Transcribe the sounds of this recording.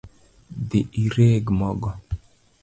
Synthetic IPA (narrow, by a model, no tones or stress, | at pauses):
d̪ɪʔiɾeːɡmɔɡɔ